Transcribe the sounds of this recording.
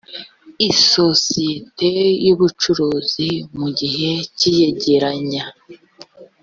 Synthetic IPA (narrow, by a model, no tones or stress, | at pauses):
iso̞sijete̞juβut͡ʃuɾuːzimuɟiɦe̞cije̞ɟe̞ɾaɲa